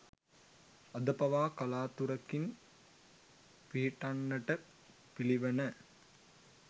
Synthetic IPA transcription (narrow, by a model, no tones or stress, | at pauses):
ɐd̪ɐpɐʋaːkɐlaːt̪uɾɐkin | piɦiʈɐnːəʈə | piliʋɐnə